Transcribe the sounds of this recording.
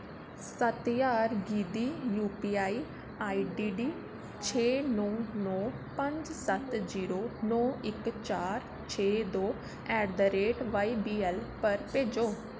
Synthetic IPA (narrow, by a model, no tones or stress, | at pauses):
sət̪jaːɾɡiːd̪iːjuːpiːaːiː | aːiːɖiːɖiː | t͡ʃʰeːnɔːnɔːpə̃ɲd͡ʒsət̪ziːɾoːnɔːɪkt͡ʃaːɾ | t͡ʃʰeːd̪oː | ɛːɾd̪əɾeːʈʋaːibiːɛlpəɾpẽːd͡ʒoː